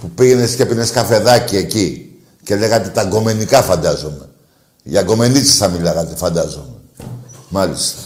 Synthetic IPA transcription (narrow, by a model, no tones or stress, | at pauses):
pupiʝe̞ne̞scepineskɐfe̞ðɐcie̞ci | ce̞le̞ɣɐt̪et̪ɐɡo̞me̞nikɐfɐnd̪ɐzome̞ | ʝɐɡo̞me̞nit͡si̥sθɐmilɐɣɐt̪efɐnd̪ɐzome | mɐlist̪ɐ̥